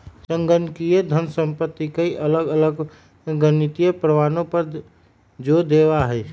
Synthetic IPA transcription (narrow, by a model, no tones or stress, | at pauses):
səŋɡənkijed̪ʱənsə̃mpət̪ːikeiʔələɡələɡ | ɡənit̪ijepɾəʋaːnõpəɾ | d͡ʒod̪eʋaɦɛ